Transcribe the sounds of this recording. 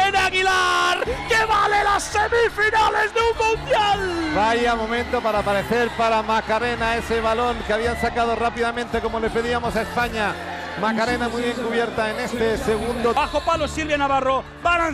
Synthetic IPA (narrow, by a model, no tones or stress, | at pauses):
enaɣilaɾkeβalelasːemifinalezðeummund̪jalbaiamo̞mẽnt̪o̞paɾapaɾeθeɾpaɾamakaɾe̞nae̞seβalo̞ŋkeaβiansakað̞o̞rapiðamẽ̞nt̪e̞ko̞mo̞le̞pe̞ðiamo̞saespaɲa | makaɾe̞namujβjeŋkuβje̞ɾt̪aene̞st̪eseɣund̪oaxopalosilβjanaβaro̞ | banan